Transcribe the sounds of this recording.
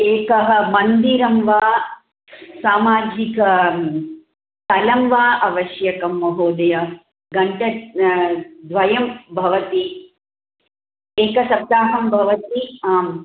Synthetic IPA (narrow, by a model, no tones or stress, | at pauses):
eːkɐɦɐmɐnd̪iɾɐmʋaː | saːmaːd͡ʒikɐ | t̪ɐlɐmʋaːʔɐʋɐʃjɐkɐmːɐɦoːd̪ɐjɐ | ɡɐɳʈɐ | d̪ʋɐjɐmbʱɐʋɐt̪i | eːkɐsɐb̚d̪aːɦɐmbʱɐʋɐt̪iaːm